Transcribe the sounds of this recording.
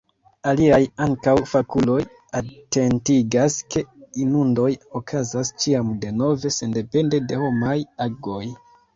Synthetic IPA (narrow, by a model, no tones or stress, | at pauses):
aliajaŋkawfakulo̞j | ate̞ntiɡaske̞inundo̞jo̞kʰazast͡ʃiamde̞no̞ve̞se̞nde̞pe̞nde̞de̞ho̞majaɡo̞j